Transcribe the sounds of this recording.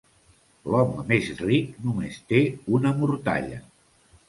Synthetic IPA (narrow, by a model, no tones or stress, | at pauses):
lɔmmezrik̚numest̪eunəmuɾt̪a̰ʎə̰